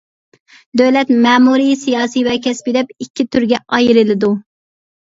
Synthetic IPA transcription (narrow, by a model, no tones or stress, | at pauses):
d̪øwlɛt̪mɛːmuɾijsijɑːsijvɛkʲʰɛspɪd̪ɛp̚ikʲːit̪ʰyɾɡʲɛɑjiɾɨlɪd̪u